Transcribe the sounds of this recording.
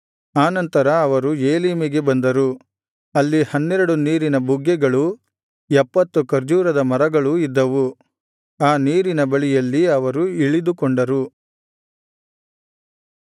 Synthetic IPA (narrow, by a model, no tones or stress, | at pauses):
aːnɐnt̪ɐɾɐːʋɐɾueːliːmiɡe̞bɐnd̪ɐɾu | ɐlːihɐnːɛɾɐɽuniːɾinɐbʱuɡːɛɡɐɭu | ɛpːɐt̪ːukɐɾd͡ʒuːɾɐd̪ɐmɐɾɐɡɐɭuid̪ːɐʋu | aːniːɾinɐbɐɭijɐlːiɐʋɐɾuiɭid̪ukoɳɖɐɾu